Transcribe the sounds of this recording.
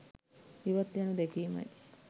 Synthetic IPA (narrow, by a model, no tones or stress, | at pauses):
iʋat̪ːjanud̪ekiːma̰j